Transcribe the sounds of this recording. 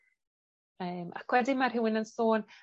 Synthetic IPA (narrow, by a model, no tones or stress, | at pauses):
əːmʔa̰kʰwɛdimarɦɪwɪnənsoːn